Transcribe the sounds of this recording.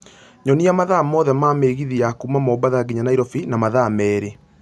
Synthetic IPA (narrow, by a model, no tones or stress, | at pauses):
ɲɔniamaðamɔðɛmaːmeɣiðiakumamɔbaðaɣiɲanaiɾɔfinamaðamɛːɾe